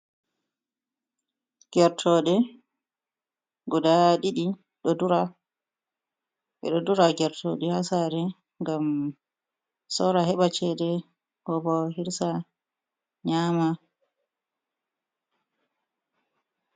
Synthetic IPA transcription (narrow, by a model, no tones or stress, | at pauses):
ɡ̥ɛɾtʰɔɗɛ | ɡɔdaɗiɗi | ɗɔduɾa | ɓɛ̰ɗɔduɾaɡɛɾtʰoɗɛhasaɾɛ | ŋɡam | sɔɾahɛɓat͡ʃɛdɛ | hɔbɔhiɾsa | ɲama